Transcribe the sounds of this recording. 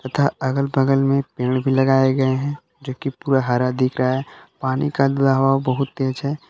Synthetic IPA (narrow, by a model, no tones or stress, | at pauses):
t̪ɐt̪ʰaɐɡəlbəɡəlmẽpẽːɽ̃bʱilɐɡaːeɡɐeɦɛ̃ | d͡ʒoːkipuːɾaɦaːɾad̪ɪkʰɾaɦaɦɛpaːnikad̪uɾaɦuabɐɦʊt̪ːeːd͡ʒɦɛ